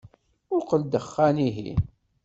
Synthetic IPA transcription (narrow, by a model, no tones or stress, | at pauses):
ʊqəld̪əχːæniɦḭ